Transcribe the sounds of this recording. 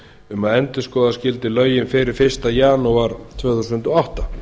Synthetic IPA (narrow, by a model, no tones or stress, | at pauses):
ʏmaðɛnt̪ʏ̥skɔːðascɪlt̪ɪlœːɥjɪnfɪɾɪɾ̥fɪr̥st̪ajaːnuaɾt̪ʰvœːθusʏnt̪ɔawht̪a